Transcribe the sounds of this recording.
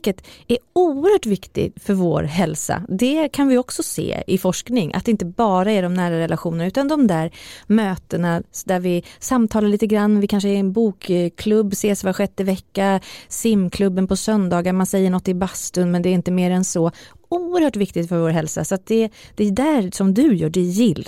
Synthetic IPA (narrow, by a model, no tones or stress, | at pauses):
kːət̪æɾuːəɾhœːʈvɪkt̪ɪ̰fœɾvo̰ːɾɦɛlsa̰d̪ɛkʰanvɪɔksɔsḛːɪfɔʂknɪŋʔa̰t̪d̪ɛɪnt̪əbɑːɾaɛɖɔmnæːɾaɾɛlʔaɧuːnənaʉ̟ːt̪and̪ɔmd̪æːɾmøːt̪ənad̪æɾvɪsamːt̪ʰɑːlaɭiːt̪əɡɾanːvɪkʰanʂəɛɾɛnbuːkkʰlɵbːseːsvaɧɛt̪ːəɪvɛkːasɪmːkʰlɵbːənpʰɔsœnd̪ɑːɡaɾmansɛjːəɳɔt̪ːɪbast̪ɵnmɛnd̪ɛːɾɪnt̪əmeːɾɛnsɔ | uːəɾhœːʈvɪkt̪ɪt̪fœɾvoːɾɦɛlsa̰sɔat̪̚d̪ɛd̪̥ɛːd̪æːɾsɔmd̪ɵjœːɖɛjɪlː